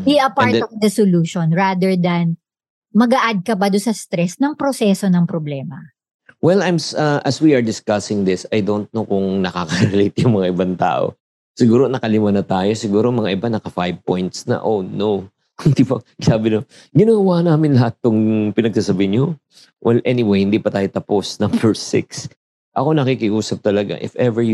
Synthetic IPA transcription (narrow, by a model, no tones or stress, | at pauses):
biʔɐpaɹtd̪ɔvd̪ɐsoluːʃonɹaːd̪ɛɹd̪ɐn | mɐɡɐʔad̪̚kɐbad̪ʊnsɐst̪ɾɛsnɐŋpɾosɛso̞nɐŋpɾoblɛːmɐ | wɛlajmsɐʔɐswiɐɹd̪ɪskɐsɪŋd̪ɪsɐjd̪ont̪̚nokʊŋnɐkakɐɾɛlejt̪jʊŋmɐŋaʔɪbant̪a̰ːʔo̰ | sɪɡuːɾo̞nɐkɐlɪmanɐt̪aːjo̞sɪɡuːɾomɐŋaʔɪbanɐkɐfajb̚pojnt̪snɐ̰ʔonow | hɪnd̪ipɐsaːbɪno | ɡɪnoɡwanaːmɪnlɐhat̪̚ːʊŋpɪnɐɡ̚sasɐbɪɪnɲo | wʔɛlʔɛnɪwejhɪnd̪iːpɐt̪aːjo̞t̪ɐpo̞snɐmbɛɹsɪ̰ks | ʔɐko̞nɐkikɪʔuːsɐp̚t̪ɐlɐɡa̰ʔɪ̰fɛvɛ